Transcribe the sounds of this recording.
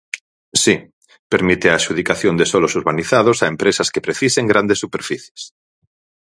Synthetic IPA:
si | peɾmit̪eaːʃuð̞ikaθjond̪esolosuɾβaniθað̞osaempɾesaskepɾeθiseŋɡɾand̪esːupeɾfiθje̥s

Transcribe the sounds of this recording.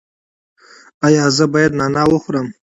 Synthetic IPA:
ajaːzəbajad̪nanawəχʷɾəm

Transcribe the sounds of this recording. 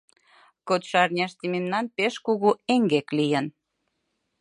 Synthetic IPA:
kot̪ʃɑrnʲɑʃt̪imemnɑnpeʃkuɣueŋɡeklijən

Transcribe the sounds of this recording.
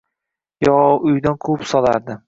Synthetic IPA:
jɒʊjd̪ankʰopsɒla̰ɾd̪ɪ

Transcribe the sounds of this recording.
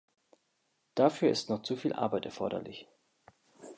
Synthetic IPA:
d̥afyːɐʔɪstnɔχt͡sufiːlʔa̰ɐbaɪtɛ̰ɐfɔɐɾɐ̰lɪ̰ç

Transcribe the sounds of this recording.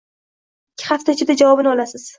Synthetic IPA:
ɪɪkʲʰːɪ̥χaft̪aɪt͡ʃʰɪd̪ad͡ʒavɒbɪnɪɒlasɪz̥

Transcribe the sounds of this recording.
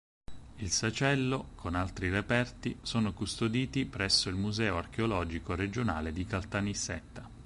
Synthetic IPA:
ilsat͡ʃɛlːokʰonalt̪ɾirepɛrt̪isoːnokust̪od̪iːt̪ipɾɛsːoilmuzɛːoark̟eolɔːd͡ʒikoɾed͡ʒona̰ːled̪ikalt̪anisːɛt̪ːa

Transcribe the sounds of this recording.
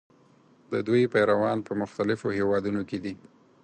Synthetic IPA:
d̪əd̪ujpajɾawɑnpəmʊxt̪alɪfohewɑd̪unoked̪i

